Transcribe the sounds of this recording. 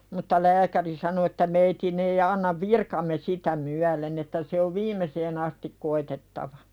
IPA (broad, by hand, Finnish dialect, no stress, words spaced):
mutːɑ læːkæri sɑno etːæ meitin ei ɑnːɑʋ ʋirkɑmːe sitæ myælen etːæ se oʋ ʋiːmeseːn ɑstik koitetːɑʋɑ